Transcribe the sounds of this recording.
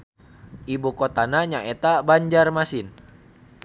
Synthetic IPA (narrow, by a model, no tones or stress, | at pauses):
ʔibukot̪anaɲaʔet̪abaɲd͡ʒarmasɪn